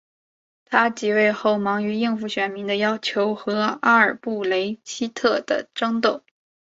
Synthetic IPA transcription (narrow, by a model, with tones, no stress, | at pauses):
t̪ʰa˥t͡ɕi˨˩we˥˧ɪxo˥˩ʊmɑ˧˥ŋy˧˥i˥˧ŋfu˥˩ɕɥɛ˨˩nmi˧˥ŋd̪ə˧jɑ˥ʊt͡ɕʰjo˧˥ʊxɤ˧˥a˥ə˞˨˩pu˥˩le˧˥ɪɕʰi˥t̪ʰɤ˥˩d̪ə̰˩ʈ͡ʂɤ˥ŋt̪o˥˩ʊ